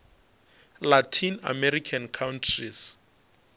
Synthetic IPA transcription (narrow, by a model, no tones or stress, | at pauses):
latʰina̰mɛɾikʰankʰawntʰris